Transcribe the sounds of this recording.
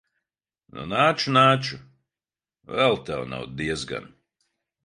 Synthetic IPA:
nṵnaːt͡ʃunaːt͡ʃu | vɛlˠt̪awna̰wd̪iɛzɡa̰n

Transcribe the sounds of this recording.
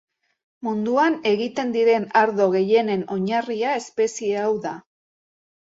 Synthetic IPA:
mund̪uane̞ɣit̪e̞nd̪iɾe̞naɾðo̞ɣ̞e̞je̞ne̞no̞ɲariae̞spe̞sie̞awða

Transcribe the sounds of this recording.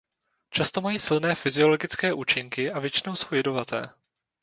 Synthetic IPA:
t͡ʃast̪o̞majiːsɪlnɛːfɪzɪo̞lo̞ɡɪt͡skɛːʔuːt͡ʃɪŋkɪʔavjɛt͡ʃɪno̞wso̞wjɛdo̞vat̪ɛ̰ː

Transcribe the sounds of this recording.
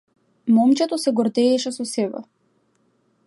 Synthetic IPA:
mɔmt͡ʃɛt̪ɔsɛɡɔɾd̪ɛːʃɛsɔsɛbɛ̰

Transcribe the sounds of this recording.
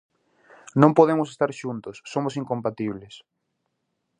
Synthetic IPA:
nõmpoðemʊsest̪aɾʃunt̪ʊsːomʊsiŋkõmpat̪iβ̞les

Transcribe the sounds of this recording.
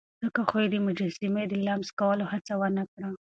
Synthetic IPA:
zəkaxojed̪əmʊd͡ʒasɪmed̪əlamskawəlohat͡sawəɾnakɽa

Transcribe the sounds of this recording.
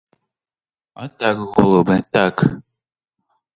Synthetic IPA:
ɔtakɣoɣəbən̩tak

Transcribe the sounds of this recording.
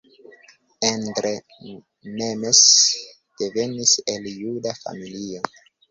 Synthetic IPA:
endɾe | memes | d̥e̞ve̞nise̞ljudafa̰milio

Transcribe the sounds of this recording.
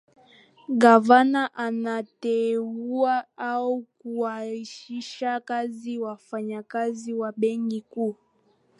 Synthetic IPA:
ɡavanaʔanatɛuaaukuwaiʃiʃakaziwafaɲakaziwaɓɛŋɡikuː

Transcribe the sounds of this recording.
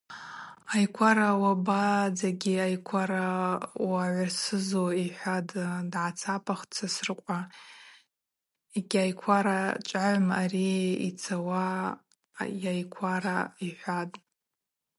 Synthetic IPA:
ajkʷʰaɾawabad͡zaɡʲiajkʷʰaɾawaʕʷrsɨzoiħʷaddʕat͡sʰapʰaχt͡sʰasrqʷʼa | eɡʲajkʷʰaɾat͡ʃʷʼaʕʷmariḭt͡sʰawa | jajkʷʰaɾaiħʷadʼ

